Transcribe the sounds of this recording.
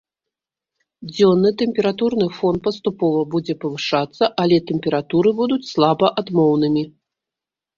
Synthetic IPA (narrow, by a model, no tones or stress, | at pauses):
d͡zʲɔnːɨt̪ɛmʲpʲɛɾat̪urnɨfɔnt̪̚pɐst̪upɔvɐbud͡zʲɛpɐvɨʂat̪sːɐʔalʲɛt̪ɛmʲpʲɛɾat̪uɾɨbud̪ut͡sʲslˠabɐʔad̪mɔwnɨmʲi